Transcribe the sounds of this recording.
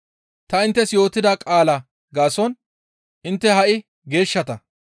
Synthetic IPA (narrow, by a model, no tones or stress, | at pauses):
t̪ɐɪnt̪ːɛsjo̞ːt̪ːɪd̪aːkʼaːlɐ | ɡaːsɔn | ʔɪnt̪ːɛhɐʔɪ | ɡe̞ːʃːɐt̪ɐ